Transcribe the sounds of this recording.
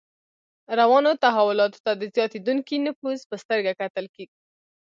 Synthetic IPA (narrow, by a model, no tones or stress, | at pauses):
ɾawɑnot̪aɦawʊlɑt̪o̥t̪ad̪əzjɑt̪ed̪uŋkinɪpuzpəst̪əɾɡakat̪əlkeɡi